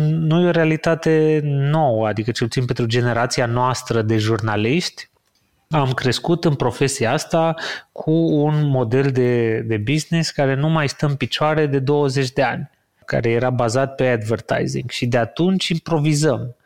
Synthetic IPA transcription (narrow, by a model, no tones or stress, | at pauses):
nujeoɾealit̪at̪e̞no̞wəad̪ikət͡ʃelput̪inpent̪ɾud͡ʒe̞ne̞ɾat̪sianoast̪ɾəd̪e̞ʒurnaliʃt̪ʲ | amkɾe̞skut̪ɨnpɾo̞fe̞sijaast̪akʰuːnmo̞d̪e̞ld̪e̞d̪e̞bizniskaɾe̞numajst̪əɨnpit͡ʃoaɾe̞d̪e̞d̪o̞wəze̞t͡ʃʲd̪e̞a̰nʲ | ka̰ɾe̞je̞ɾabazat̪̚pe̞ad̪vərt̪a̰jzḭŋɡʃid̪eat̪unt͡ʃʲimpɾo̞vizəm